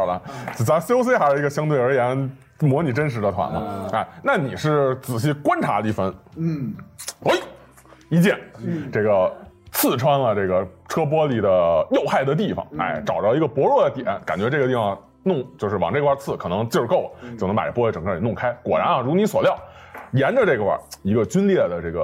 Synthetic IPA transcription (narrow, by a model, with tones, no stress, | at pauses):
lə̰˧˥˩t͡sa˧˥ɕjo˥ʊs̬we˥ɪxa˧˥ɪʂɻ̩˥˧˩ɡə˧ɕjɑ˥ŋt̪we˥˩ɪə˞˧˥jɛ˧˥n | mwɔ˧˥ni˨˩ʈ͡ʂə˥nʂ̬ɻ̩˧˥d̪ə˧t̪ʰwa̰˧˥nɐ̰˧a˥˧˩ɪna˥˩ni˨˩ʂɻ̩˥˩t͡sɹ̩˨˩ɕi˥˩kwa˥nʈ͡ʂʰa̰˧˥i˥˩fə˧˥n | ə˧˥i˨˩ | i˧˥t͡ɕjɛ˥˩nʈ͡ʂe˥˩ɡə˩t͡sʰɹ̩˥˩ʈ͡ʂʰwa˥nlə˨ʈ͡ʂe˥˩ɡə˩ʈ͡ʂʰɤ˥p̬wɔ˥li˨˩d̪ə˦jo˥˧ʊxa˥˩ɪd̪ə˩t̪̬i˥˩fɑ̰˨˩ŋa̰˥˧ɪʈ͡ʂɑ˨˩ʊɑ˥˩i˧˥ɡə˧pwɔ˧˥ɻwɔ˥˩d̪ə˩t̪jɛ̰˨˩˧nka˨˩nt͡ɕɥɛ˧˥ʈ͡ʂɤ˥˩ɡət̪i˥˩fɑ˨˧ŋ | nʊ˥˧ŋt͡ɕjo˥˧ʊʂɻ̩˥˩wɑ̰˨˩ŋʈ͡ʂe˥˧˩kʰwa˥˧t͡sʰɹ̩˥˩kʰɤ˨˩nɤ˧˥ŋt͡ɕjʊʂɻko˥˩ʊlə˨˩t͡ɕjʊn˧˥pa̰˨˩ə̰˥˩pɔ˥˧˩ʈ͡ʂɤ˨˩ŋkʰə˥˩˧nʊ˥˩ŋkʰa˥ɪkwɔ̰˨˩ɻa̰˧˥nɐ˥˧ɻwɔ˧ni˧˥swɔ˨˩ljɑ˥˩ʊjɛ˧˥nʈ͡ʂə˧ʈ͡ʂe˥˩ɡə˩wa̰˥˧˩i˧˥ɡə˧t͡ɕy˥nljɛ˥˩d̪ə˩ʈ͡ʂe˥˩ɡə˩